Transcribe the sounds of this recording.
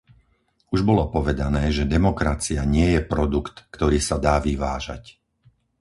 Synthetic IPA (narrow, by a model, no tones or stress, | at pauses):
uʒbɔlɔpɔʋɛd̪anɛːʒɛd̪ɛmɔkɾat͡siaɲɪɛjɛpɾɔd̪ukt̪kt̪ɔɾiːsad̪aːʋiʋaːʒa̰c